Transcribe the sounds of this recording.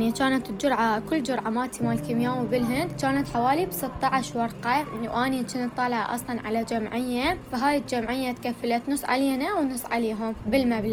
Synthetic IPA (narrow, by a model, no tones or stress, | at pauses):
nit͡ʃaːnat̪d͡ʒʊɾˤʕakʊlːd͡ʒʊɾˤʕamaːt̪imalkɪmjaːwbɪlɦɪnd̪t͡ʃaːnat̪ħawaːlibsɨt̪ˤːɑʕɪʃwɑɾˤqawʔaːnit͡ʃɪnt̪ˤːɑːlʕa̰ʔɑ̰sˤlɑnʕa̰lad͡ʒamʕɪjːafaɦaːjɪt̪d͡ʒamʕɪjːat̪kafːalat̪nʊsʕa̰liːnawnʊsˤʕa̰leːɦʊmbɪlmabla